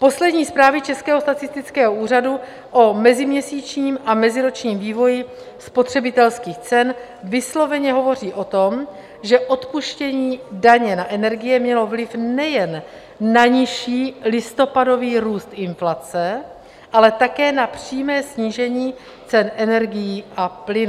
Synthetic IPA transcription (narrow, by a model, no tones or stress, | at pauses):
po̞slɛdɲiːspɾaːvɪt͡ʃɛskɛːɦost̪att͡sɪst̪ɪt͡skɛːɦouːr̝adu | ʔomɛzɪmɲɛsiːt͡ʃɲiːmʔamɛzɪɾo̞t͡ʃɲiːmviːvo̞jɪ | spo̞t̪r̝̥ɛbɪt̪ɛlskiːxt͡sɛn | vɪslo̞vɛɲɛɦo̞vo̞r̝iːʔo̞t̪o̞m | ʒɛʔo̞t̪puʃcɛɲiːdaɲɛnaʔɛnɛɾɡɪjɛmɲɛlo̞vlɪfnɛjɛnː | aɲɪʃiːlɪst̪o̞pado̞viːɾuːst̪ʔɪnflat͡sɛ | ʔalɛt̪akɛːnapr̥iːmɛːsɲiːʒɛɲiː | t͡sɛnʔɛnɛɾɡɪjiːʔaplɪn